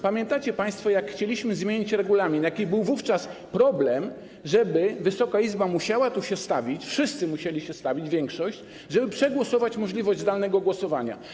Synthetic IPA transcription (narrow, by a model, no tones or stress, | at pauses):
pamʲjɛ̃nt̪at͡ɕɛpaj̃st̪fɔjakxt͡ɕelʲiɕmɘzmʲjeɲit͡ɕɾɛɡulamʲinjakʲibɘwvuft͡ʂaspɾɔblɛm | ʐɛbɘvɘsɔkaizbamuɕawat̪uɕɛst̪avʲit͡ɕfʂɘst̪sɘmuɕelʲiɕɛst̪avʲid͡ʑvʲjɛŋkʂɔɕt͡ɕ | ʐɛbɘpʂɛɡwɔsɔvat͡ɕmɔʐlʲivɔʑd͡ʑzd̪alnɛɡɔɡwɔsɔvaɲa̰